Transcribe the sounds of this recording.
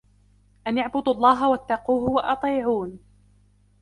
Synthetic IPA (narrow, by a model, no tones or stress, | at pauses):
ʔanjaʕbʊd̪ɑlˤːɑːɦawat̪ːɑquːɦʊwɑʔɑt̪ˤiːʕuːn